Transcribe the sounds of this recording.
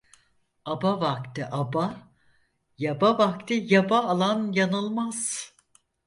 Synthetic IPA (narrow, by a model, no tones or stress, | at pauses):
abavakt̪ɪʔaba | jabavak̚t̪ʰijabaːlˠanjanɯlˠmaz̥